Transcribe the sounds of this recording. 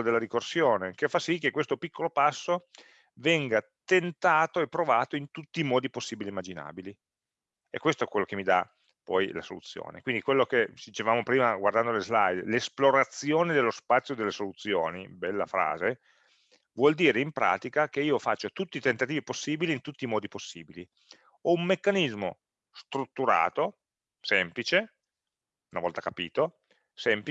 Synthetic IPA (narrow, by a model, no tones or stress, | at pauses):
od̪elːad̪ikorsjoːnekefːasikːekwest̪opikʰːolopasːo | vɛŋɡat̪ent̪aːt̪oepːɾovaːt̪oint̪ut̪ːiːmɔːd̪iposːiːbilimːad͡ʒina̰ːbili | ḛkːwest̪oɛkwelːokemid̪a̰ | pɔjla̰solut̪sːjo̰ːnḛkwind̪ikwelːokesit͡ʃevaːmopɾiːmaɡward̪and̪olezlajd̪lesploɾat̪sːjoːned̪elːospat̪sːjod̪elːesolut̪sːjo̰ːnibɛlːa̰fɾa̰ːze | vwɔld̪iːɾeimpɾa̰ːt̪ikak̟eiːofat͡ʃːot̪ut̪ːiːt̪ent̪at̪iːviposːiːbiliːnt̪ut̪ːiːmɔːd̪iposːiːbili | ɔumːekːanizmo̰ | st̪ɾut̪ːuɾa̰ːt̪o | sɛmplit͡ʃe | unavɔlt̪akapḭːt̪o | sɛmp